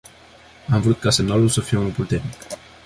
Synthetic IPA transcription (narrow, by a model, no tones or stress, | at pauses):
amvɾut̪̚kase̞mnalulsəfijeunupult̪e̞rnik